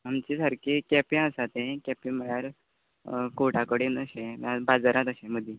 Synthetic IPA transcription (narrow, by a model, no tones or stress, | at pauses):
ɦamt͡ɕisəɾkikɛpĩəsat̪ẽkɛpĩməɭjaɾ | koʈakəɽinəɕẽmjabad͡zaɾat̪əɕẽməd̪ʱi